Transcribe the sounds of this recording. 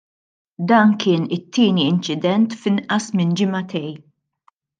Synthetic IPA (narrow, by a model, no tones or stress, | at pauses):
d̪ɐːnkɪːnɪt̪ːɪːniɪnt͡ʃɪd̪ɛnt̪fɪnʔɐsmɪnd͡ʒɪmɐt̪ɛj